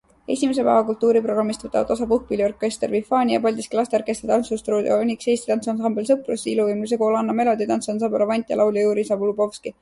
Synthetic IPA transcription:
e̞̰sʲimes̬e̞pæ̰ːvɑkult̪ˑːuːɾipro̞ɡ̥ɑmːist̪vɤt̪ːˑɑ̰ɑ̰t̪ɑs̬ɑpuhk̚pilʲiorkːˑe̞st̪ervifɑːnʲijɑpɑlʲd̪iskilɑst̪eorke̞st̪et̪ɑnsust̪ruːd̪eoonʲikseːst̪it̪ɑnsonsɑmbe̞ls̬ɤprusiiluviːmlus̬eko̞lɑnːɑme̞lo̞d̪it̪ɑnsonsɑbɑɾɑvɑnʲt̪ʲˑjɑ̰lʔɑwljɑjuːɾisɑbulubo̞fski

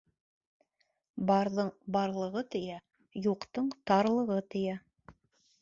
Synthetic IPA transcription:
bɑɾðɤɴbɑɾlˠɤ̆ʁɤt̪ɵ̆jæ | juqt̪ɤɴt̪ɑɾlˠɤ̆ʁɤt̪ɵ̆jæ

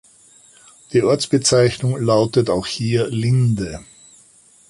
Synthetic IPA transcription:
d̥iːʔɔɐt͡sb̥ət͡saɪçnʊŋlaʊtətaʊxhiːɐlɪndə

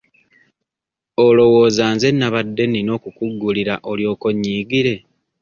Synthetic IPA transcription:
olo̞wo̞ːzaːnze̞nːaβadːe̞nino̞ːkukuɡːuliɾaʔo̞ljo̞ːko̞ɲːiːɡiɾe̞

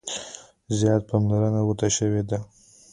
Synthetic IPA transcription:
zjɑt̪̚pamlaɾənawət̪aʃəwed̪a

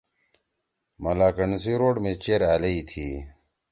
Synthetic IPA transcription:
mɐlaːkəɳsiɾoːɖmẽt͡ɕeːɾaːlɐit̪ʰiː

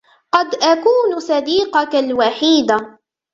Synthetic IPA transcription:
qɑd̪ʔakuːnsɑd̪iːqɑkalwaħiːd̪a

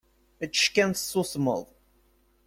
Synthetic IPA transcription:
ət͡ʃːʃkænθsːusmə̰ðˤ

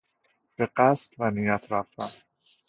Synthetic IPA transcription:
b̥eɢæst̪vænijæt̪ʰɾæft̪æm

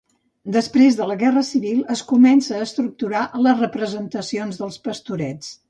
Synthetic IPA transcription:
d̪əspɾezðələɣɛrəsiβilˠəskumɛnsəːst̪ɾuk̚t̪uɾaʔələzrəpɾəzənt̪əsionzðəlˠspəst̪uɾɛt͡s

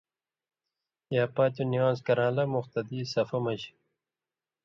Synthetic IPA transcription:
jaːpaːt̪uniwãːzkɐɾãːlɐmuxt̪ɐd̪iːsɐfɐmɐʑ

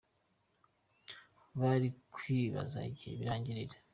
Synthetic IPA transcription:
βaɾikwiːβa̰za̰ɟiβiɾaːɲɟiɾiɾe

